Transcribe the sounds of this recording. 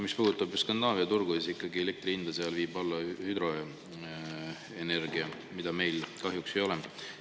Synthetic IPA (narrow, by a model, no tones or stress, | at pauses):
mispuːd̪ut̪ːˑɑbjskɑnd̪ɑːviɑt̪urɡ̥uisikˑːɑɡie̞le̞k̚t̪ɾiind̪̥ɑseɑlviːbɑlːɑhyd̪ro̞ | ene̞rɡiɑ | mid̪̥ɑme̞jlkɑɦjukse̞jo̞lɛm